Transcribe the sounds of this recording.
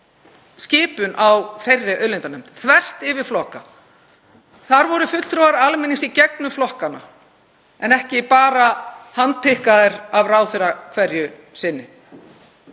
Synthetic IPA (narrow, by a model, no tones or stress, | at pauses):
scɪːpʏnʔawfejrːɪʔœɥlɪnt̪anɛm̥t̪θvɛr̥st̪ɪvɪɾ̥flɔhka | θaɾvɔɾʏfʏt̪l̥t̪ɾovaɾalmɪnːisicɛk̚nʏflɔhkana̰ | ɛnɛhcɪpaːɾahant̪̚pʰɪhkaðɪɾavraːwθʏɾakʰvɛɾjʏ | sɪnːɪ